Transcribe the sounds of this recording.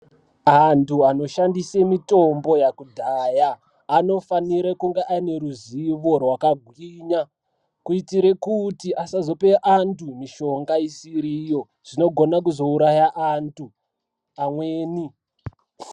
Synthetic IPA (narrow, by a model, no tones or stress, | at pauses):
antuano̞ʃandisemito̞mbo̞jakudʱaːjaː | no̞faniɾekuŋɡeʔaine̞ɾuziʋo̞rwakaɡʱwiːɲa | kuitiɾe̞kutiʔasazo̞pe̞ʔantumiʃo̞ŋɡaisiɾijo̞ | ʐ̥ino̞ɡʱo̞nakuzo̞uɾajaʔantʰu | amweːni